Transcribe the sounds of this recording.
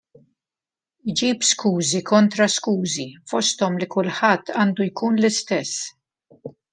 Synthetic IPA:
jd͡ʒiːbskuːzikʰɔnt̪ɾɐskuːzifɔst̪ɔmlikʊlħɐt̪ʰːɐːnd̪ujkuːnlɪst̪ɛsː

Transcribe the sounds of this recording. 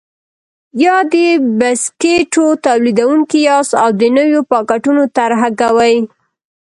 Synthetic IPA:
jɑd̪əbaskeʈot̪awlid̪awuŋkijɑsawd̪ənəwjopɑkaʈunot̪aɾɦaɡawaj

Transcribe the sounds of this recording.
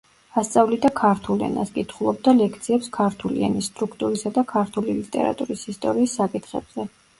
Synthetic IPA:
ast̪sʼavlid̪akʰaɾt̪ʰulɛ̰na̰skʼit̪ʰχulˠɔb̚d̪alɛkʰt̪sʰiɛpskʰaɾt̪ʰulḭa̰nist̪ʼɾukʰt̪ʼuɾisad̪akʰaɾt̪ʰulilit̪ʼɛ̰ɾa̰t̪ʼuɾisist̪ʼɔɾiːsːakʼit̪ʰχɛ̰b̥z̥ɛ

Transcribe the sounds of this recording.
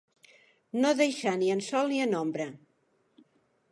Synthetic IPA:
noðejʃaniənsɔlˠniənombɾə

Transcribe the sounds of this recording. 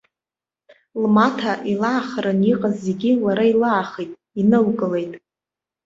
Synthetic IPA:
lmatʰaʔilaːχɾɨniqʼazːe̞ɡʲilaɾailaːχejtʼ | inɨlkʼɨle̞jtʼ

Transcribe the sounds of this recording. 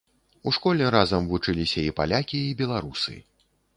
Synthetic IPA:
uʂkɔlʲɛɾazɐmvut͡ʂɨlʲisʲɐipa̰lʲakʲiːbʲɛlˠaɾusɨ̰

